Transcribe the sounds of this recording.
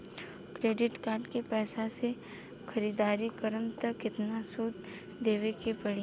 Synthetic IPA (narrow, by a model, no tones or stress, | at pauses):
kɾeːɖɪʈkaːɾɖkepɛːsase | xʰɐɾiːd̪aːɾikəɾəmt̪ɐkːɪt̪nasuːt̪ | d̪eːʋekepɐɽi